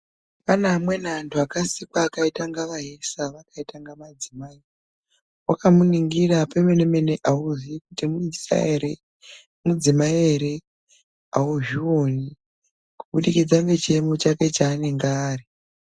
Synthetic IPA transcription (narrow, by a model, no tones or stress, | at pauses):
panamwe̞nantʰuakasikwaːkaitaŋɡaʋaɦesaʋakaitaŋɡamad͡zimaːi | wakamuniŋɡirapemeneme̞neʔauziikutimuisa̰eɾe | mud͡zimaieɾe | auʒioni | kuɓuɗikid͡zaŋɡet͡ʃemot͡ʃake̞t͡ʃaːne̞ŋɡaːri